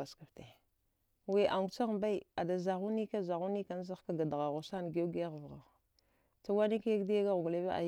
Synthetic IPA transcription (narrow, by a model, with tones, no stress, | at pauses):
a˨ska˨fte˨ | we˦˨ʔa˨ŋu˨t͡sa˦ɣmba˦i˦˨a˨da˨za˨ɣu˦ni˦ka˦za˨ɣu˦ni˦ka˨n˦za˦ka˦ɡa˨dɣa˨ɣo˨sa˦n˨ɡe˦ɡe˦ɣvɣa˨ | t͡ʃa˦wa˦ni˦ka˦ja˦ɡdi˦ja˦ɡa˦ɣu˨ɡle˦ba˦ʔa̰˨